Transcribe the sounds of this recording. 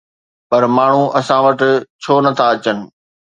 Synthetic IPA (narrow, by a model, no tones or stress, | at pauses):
pɐɾmaːɳ̤ũʔɐsãːʋɐʈɪ̆t͡ɕʰoːnɐt̪ʰaɐt͡ɕənɪ̆